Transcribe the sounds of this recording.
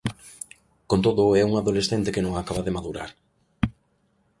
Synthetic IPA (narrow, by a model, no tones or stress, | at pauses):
kont̪oðʊɛuŋaðolesθent̪ekenõŋakaβaðemaðuɾa̰ɾ